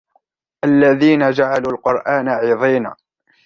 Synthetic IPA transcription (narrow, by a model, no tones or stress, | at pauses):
ʔalːaðiːnad͡ʒaʕaluːlqʊɾʔaːnaʕiːðˤiːna̰ː